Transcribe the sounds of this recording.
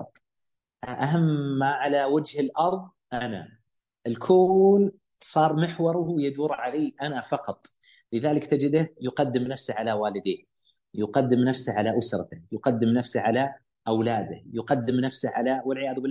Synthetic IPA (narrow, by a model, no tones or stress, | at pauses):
t | ʔʔaɦamːaʕalawad͡ʒhɪlʔɑɾˤðˤ | ʔana̰ | ʔɪlkʰul | sˤɑːɾˤmɪħwɑɾˤʊwɪjad̪uːɾˤʕaleːʔanafɑqɑt̪ˤ | lɪðaːlɪkt̪ad͡ʒɪd̪ahjʊqɑd̪ːɪmnafsaʕalawaːlɪd̪eːn | jʊqɑd̪ːɪmnafsaʕalaʔʊsɾˤɑt̪ɪhjʊqɑd̪ːɪmnafsaʕala | ʔawlaːd̪ɪhjʊqɑd̪ːɪmnafsaʕalawɪlʕɪjaːðbɪlː